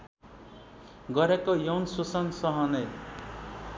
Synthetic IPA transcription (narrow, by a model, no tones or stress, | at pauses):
ɡʌɾekojʌwnsusʌnsʌɦʌne